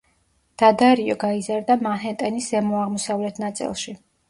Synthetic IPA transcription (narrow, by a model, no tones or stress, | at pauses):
d̪̥ad̪aɾiɔɡaizaɾd̪amaɦɛnt̪ʼɛniszɛmɔaʁmɔsavlɛt̪ʰnat̪sʼḭlˠʃi